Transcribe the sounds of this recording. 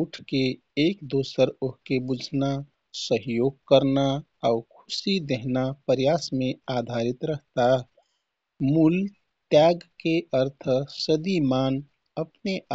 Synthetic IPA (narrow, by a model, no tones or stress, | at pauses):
uʈʰkeː | kd̪oːsəɾoɦkebud͡ʒʱna | səɦjoːɡ̚kəɾna | aʊkʰʊ̥sid̪eɦnapəɾjasmẽaːd̪ʱaɾit̪ɾəɦt̪a | mul | t̪jaɡkeʔəɾt̪ʰsəd̪imaːn | əpne